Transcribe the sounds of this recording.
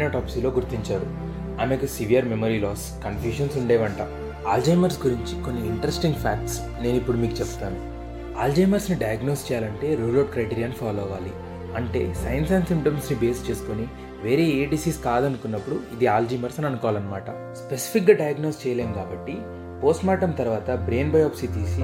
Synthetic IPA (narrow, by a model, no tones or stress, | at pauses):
nɐʈaːpsilo̞ːɡuɾt̪iɲt͡ʃaːɾu | aːmeːkusiʋijɐɾmemoɾiːlɔːs | kɐnfjuːʃɐnsuɳɖeːʋɐɳʈa | aːld͡ʒɐjmɐɾsɡuɾiɲt͡ʃiko̞nːiːɳʈɐɾesʈiŋɡpʰaːk̚ʈs | ne̞ːnuipːuɽumiːkut͡ʃebut̪aːnu | aːld͡ʒejmɐɾsniɖɐjɐɡno̞ːst͡ʃɛːjaːlɐɳʈe̞ːɾuːɾloɖ̚kɾɐjʈiːɾijaːnpʰaːloːʋaːlḭ | ɐɳʈe̞̰ːsɐjɐnsɐjnsimʈɐmsnibe̞ːst͡ʃe̞ːsu̥koni | ʋe̞ːɾe̞ːeːɖisiːskaːd̪ɐnukunːɐpːuɽuid̪iaːld͡ʒɐːmɐɾsɐnɐnukɔːʋaːlɐnːɐmaːʈɐ̰ | spe̞si̥pʰik̚ɡaɖɐjɐɡno̞ːst͡ʃɛːjɐleːmkaːbɐʈːi | poːsʈmaːʈɐmt̪ɐɾʋaːt̪ɐbɾe̞ːnbɐjaːpsit̪iːsi